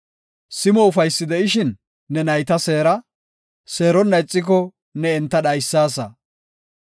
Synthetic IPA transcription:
sɪmɔʊfɐjsːɪd̪ɛʔɪʃɪnː | ɛnɐjt̪ɐse̞ːɾɐ | se̞ːɾɔnːɐjt͡sʼːɪk̬ɔ | nɛɛnt̪ːɐɗɐjsːaːsɐ

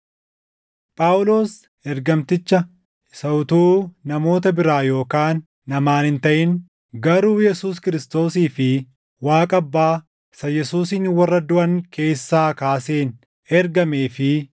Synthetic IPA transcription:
pʼaːʊlo̞ːs | ɛɾɡɐmt̪ɪt͡ʃːɐ | sɐwt̪uːnɐmo̞ːt̪ɐbɪɾaːjo̞ːkaːnː | ɐmaːnhɪnt̪ɐʔɪn | ɡɐɾuːjɛsuːskɪɾɪst̪o̞ːsiːfɪ | waːkʼɐbːaː | sɐjɛsuːsɪnwɐrːɐd̪ʊʔɐŋkʰe̞ːsːaːkaːse̞ːn | ɛɾɡɐmeːfɪ

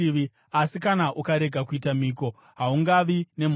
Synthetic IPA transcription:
iʋi | asikanaʔukaɾe̞ɡʱakuitamiːko̞ | ɦauŋɡaʋine̞m

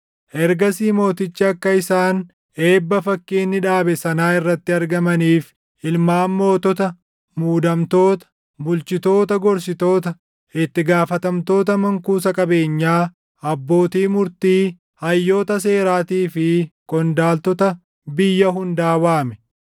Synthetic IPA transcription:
ʔɛɾɡɐsiːmo̞ːt̪ɪt͡ʃːɐɐkːɐɪsaːn | e̞ːbːɐfɐkːeːnːɪᶑaːbɛsɐnaːɪrːɐt̪ːɪɐɾɡɐmɐniːf | ɪlmaːmːo̞ːt̪ɔt̪ɐ | muːd̪ɐmt̪o̞ːt̪ɐ̥ | bʊlt͡ʃɪt̪o̞ːt̪ɐɡɔɾs̬ɪt̪o̞ːt̪ɐ | ɪt̪ːɪɡaːfɐt̪ɐmt̪o̞ːt̪ɐmɐŋkuːsɐkʼɐbe̞ːɲːaː | ɐbːo̞ːt̪iːmʊɾt̪iː | hɐjːo̞ːt̪ɐs̬e̞ːɾaːt̪iːfɪkʼɔnd̪aːlt̪ɔt̪ɐ | bɪjːɐɦʊnd̪aːwaːmɛ

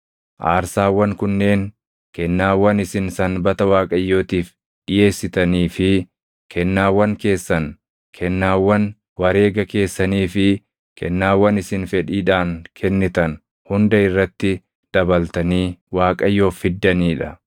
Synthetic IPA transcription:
ʔa̰ːɾsaːwːɐŋkʊnːe̞ːŋ | kɛnːaːwːɐnɪsɪnsɐnbɐt̪ɐwaːkʼɐjːo̞ːt̪iːf | ɗɪje̞ːsːɪt̪ɐniːfɪ | kʰɛnːaːwːɐŋke̞ːsːɐn | kʰɛnːaːwːɐn | wɐɾe̞ːɡɐke̞ːsːɐniːfɪ | kʰɛ̰nːaːwːɐnɪsɪnfɛᶑiːᶑaːŋkʰɛnːɪt̪ɐn | hʊnd̪ɐɪrːɐt̪ːɪ | d̪̥ɐbɐlt̪ɐniːwaːkʼɐjːo̞ːfːɪd̪ːɐniːᶑɐ

